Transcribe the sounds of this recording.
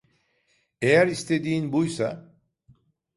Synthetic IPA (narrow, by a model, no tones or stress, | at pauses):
ejæɾist̪ʰe̞d̪iinbujsa